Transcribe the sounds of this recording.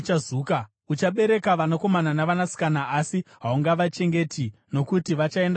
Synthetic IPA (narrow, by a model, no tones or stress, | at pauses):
t͡ʃazuːka | ut͡ʃaɓe̞ɾe̞kaʋanako̞mananaʋanasi̥kanaːsiɦauŋɡaʋat͡ʃe̞ŋɡe̞tʰino̞kutiʋat͡ʃae̞nd